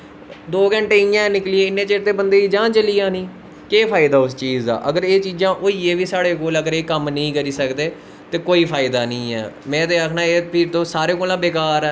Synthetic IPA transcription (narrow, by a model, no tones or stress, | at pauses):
d̪oːɡəɳʈeːijãːnɪklieːɪnːeːt͡ʃeːɾt̪eːbənd̪eːiːd͡ʒãːt͡ʃəliːãːnĩː | keːpʰaːɪd̪aːʊst͡ʃiːza̰ːʔəɡəɾeːt͡ʃiːzãːʔoːiːeːʋiːsaːɽeːkoːləɡəɾeːkəmnəĩːkəɾiːsəkd̪eː | t̪eːkoːiːpʰaːɪd̪aːnəĩːɛ̰ːmɛ̃ːt̪eːaːkʰnaːeːpʰɪɾt̪õːsaːɾeːkoːlãːbeːkaːɾɛː